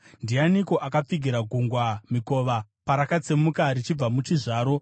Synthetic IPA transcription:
ndianiko̞ʔakap͡fiɡʱiɾaɡʱuŋɡwamiko̞ːʋa | paɾakat͡semukaɾit͡ʃib͡vamut͡ʃiʐaːɾo̞

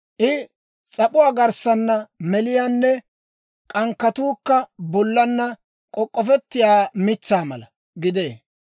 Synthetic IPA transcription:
ʔɪ | t͡sʼɐpʼʊwaːɡɐɾsɐnːɐmɛlɪjaːnːɛ | kʼɐŋkːɐt̪uːkːɐbɔlːɐnːɐ | kʼɔkʼːɔfɛt̪ːɪjaːmɪt͡sːaːmɐ̰lɐ | ɡɪd̪eː

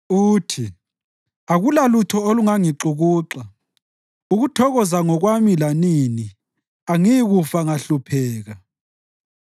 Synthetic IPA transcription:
uːtʰi | aɣulalutʰɔoluŋaŋiǁuɣuːǁa | uɣutʰɔɣɔzaŋɔɣwamilanini | aŋiɣufaŋaɬupʰɛːɣa

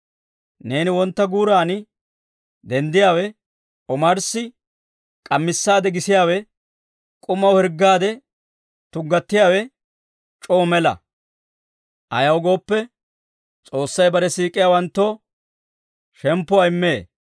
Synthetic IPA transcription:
ne̞ːnɪwɔnt̪ːɐɡuːɾaːnɪ | d̪ɛnd̪ɪjaːwɛ | ɔmɐɾsɪ | kʼɐmːɪsːaːd̪ɛɡɪsɪjaːwɛ | kʼʊmɐwhɛɾɡːaːd̪ɛ | t̪ʊɡːɐt̪ːɪjaːwɛ | t͡ʃʼoːmɛlɐ̰ | ʔɐjɐwɡo̞ːpːɛ | t͡sʼo̞ːsːɐjbɐɾɛsiːkʼɪjaːwɐnt̪ːoː | ʃɛmpːʊɐɪmːeː

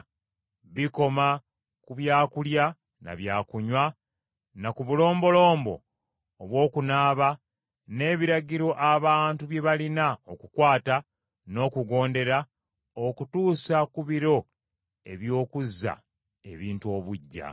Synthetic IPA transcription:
βiko̞ma | kuβjaːkulja | na̰βjaːkuɲwa | nakuβulo̞ːmbo̞lo̞ːmbo̞̰ː | βwo̞ːkunaːβa | ne̞ːβiɾaɟiɾo̞ʔaβaːntuβje̞βalinaokukwaːta | no̞ːkuɡo̞ːnde̞ɾa | okutuːsakuβiɾo̞ | e̞̰βjo̞ːkuzːa̰ | e̞̰βiːntuo̞βuɟːa̰

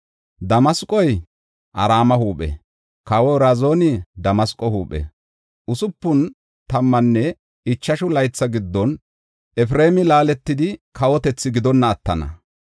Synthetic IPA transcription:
d̪ɐmɐskʼɔj | ʔɐ̰ɾaːmɐhuːpʼɛ̰ | kɐwɔɾazo̞ːnɪd̪ɐmɐskʼɔhuːpʼːɛ̰ | ʔʊsʊpːʊn | t̪ɐmːɐnːɛ | ɪt͡ʃːɐʃʊlɐjt͡sːɐɡɪd̪ːɔn | ʔɛfɾe̞ːmɪlaːlɛt̪ːɪd̪ɪkɐwɔt̪ɛt͡sːɪɡɪd̪ɔnːɐːt̪ːɐnɐ̰

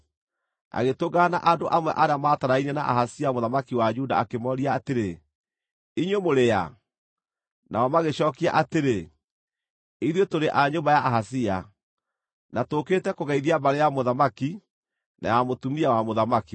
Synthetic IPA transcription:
a̰ɣetoɡana̰ʔandoʔamwɛ̰ʔaɾeamaːtaɾainɛna̰ʔa̰hasiamoðamakiwad͡ʒuda̰akemɔɾiaːteɾe | iɲwemoɾeja̰ | naɔmaɣeɕɔːkia̰ʔateɾe | iðwetoɾeʔaɲombajaʔaɦasia | natoketɛkoɣaiðiabaɾejamoðamaki | na̰jamotumiawamoðamaki

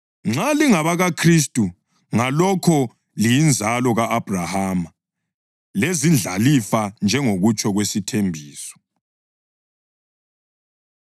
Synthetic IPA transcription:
ŋ͡ǁaliŋaβaɣakʰristʼu | ŋalɔkʰɔ | lijind͡zʱalɔɣaʔːb̥ʱrahaːma | lezind͡ɮʱa̰lifand͡ʒʱɛŋoɣut͡ʃʰʼɔɣwesitʰembʱiːsɔ̥

